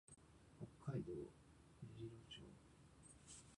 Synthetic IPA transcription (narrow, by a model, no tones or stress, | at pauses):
hokʰːaid̪oː | meʑiɾoːt͡ɕo̰ː